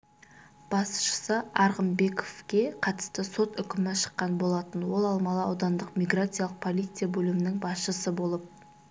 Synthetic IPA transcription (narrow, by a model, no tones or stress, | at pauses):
b̥ɑsʃə̥səɑɾʁəmbe̞kofkʲe̞qʰɑt̪ə̥st̪əso̞t̪ʏkʲɪmɪʃə̥qːɑnbo̞lˠɑt̪ənwo̞lˠɑlˠmɑlˠɑɑwd̪ɑnd̪əqmʲijɡrat̪sɨjalˠəq̚pʰolˠijt̪sɨjabɵlɪmɪnɪŋbɑsʃəsəbo̞lˠəp̚